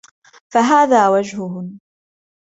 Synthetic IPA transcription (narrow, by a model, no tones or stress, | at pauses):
faɦaːðaːwad͡ʒɦʊɦʊ